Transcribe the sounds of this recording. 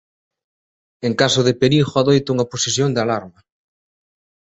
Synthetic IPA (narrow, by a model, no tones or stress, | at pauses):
eŋkasʊðɪpeɾixoaðojt̪ʊuŋɐposesjoŋd̪ɪalaɾma